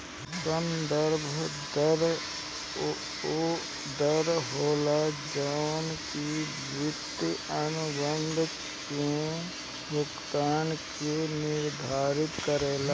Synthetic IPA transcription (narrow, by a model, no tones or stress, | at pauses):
sə̃nd̪əɾbʱd̪əɾ | d̪əɾɦoːlad͡ʒanki | bʊt̪ənʊbə̃nd̪ʱ | kẽ | bʱʊɡt̪aːnkenɪɾd̪ʱaːɾɪt̪kəɾeːla